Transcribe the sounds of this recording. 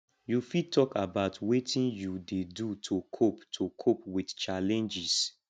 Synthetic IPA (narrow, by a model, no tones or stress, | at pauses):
jufitʰɔkabaʊtwetʰĩnjudedutʰokʰoptʰokʰopwidt͡ʃalɛ̃nd͡ʒis